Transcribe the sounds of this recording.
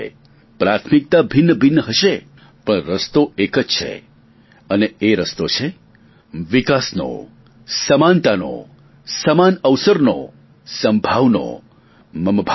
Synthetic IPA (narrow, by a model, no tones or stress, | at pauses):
pɾat̪ʰmik̚t̪abʱɪnːəbʱɪnːɦəʃe | pəɳɾəst̪oekəd͡ʒt͡ʃʰḛ | əneeɾəst̪ot͡ʃʰe | ʋikasno̰ | səmant̪ano̰ | səmanəʋsəɾno̰ | səmbʱaʋno̰ | məmbʱ